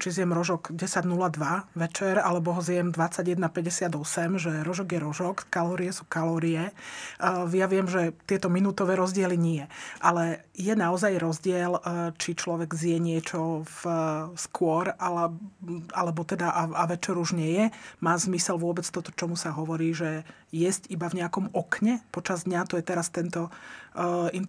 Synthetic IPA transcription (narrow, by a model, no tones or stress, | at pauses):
t͡ʃizɪjɛmɾɔʒɔɡɟɛsaɟnulad̪ʋaʋɛt͡ʃɛɾalɛbɔɦɔzɪjɛmd̪ʋat͡saɟjɛd̪napɛɟɛsɪad̪ɔsɛmʒɛɾɔʒɔɡjɛɾɔʒɔkkalɔːɾiɛsuːkalɔːɾiɛ | jaʋɪɛmʒɛt̪ɪɛt̪ɔminuːt̪ɔʋɛːɾɔzɟɪɛliɲiɛʔalɛ | jɛnaɔzajɾɔzɟɪɛlt͡ʃit͡ʃlɔʋɛɡzɪjɛɲɪɛt͡ʃɔfskʊɔɾʔaɛ | alɛbɔt̪ɛd̪aʔaaʋɛt͡ʃɛɾuʒɲɛjɛmaːzmisɛlʋʊɔbɛt͡st̪ɔt̪ɔ̥t͡ʃɔmusaɦɔʋɔɾiːʒɛ | jɛzcibavɲɛakɔmɔkɲɛpɔt͡ʃazd̪ɲat̪ɔjɛt̪ɛɾast̪ɛnt̪ɔ | int̪